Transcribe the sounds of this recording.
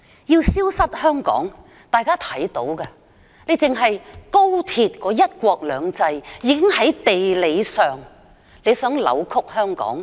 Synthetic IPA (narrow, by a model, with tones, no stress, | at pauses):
jiː˧wsiː˥wsɐ˥t̚hœː˥ŋkɔ̰ː˨˥ŋ | t̪aː˨˩jkaː˥t̪ʰɐ˨˥jt̪o˨˥wkɐ˧ | nle˨˧jt͡sɪ˨ŋɦɐ˨jko˥wt̪ʰiː˨˧t̚kɔː˨˥jɐ˥t̚kʷɔː˧k̚lœː˨˧ŋt͡sɐ˧jjiː˨˧kɪ˥ŋhɐ˨˥jt̪e˨jle˨˧jsœː˨ŋ | le˨˧jsœː˨˥ŋlɐ̰˨˧˥wkʰʊ˥k̚hœː˥ŋkɔ̰ː˨˥ŋ